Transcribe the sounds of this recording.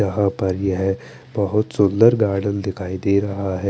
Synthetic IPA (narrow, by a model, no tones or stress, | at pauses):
ɐɦãpɐɾjɐɦɛ | bɐɦʊt̪sʊ̃nd̪əɾɡaːɾɽənd̪ɪkʰaːid̪eːɾɐɦaɦɛː